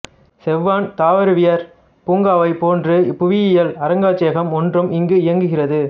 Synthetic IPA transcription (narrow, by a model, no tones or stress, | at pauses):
sɛʋːaːnt̪aːʋɐɾɯʋɪjɐɾ | puːŋɡaːʋɐɪpoːndrɯpːʊʋɪjɪjɐlɐɾɐŋɡaːt͡ʃeːɣɐmɔndrɯmɪŋɡɯɪjɐŋɡɯɣɪrɐðɯ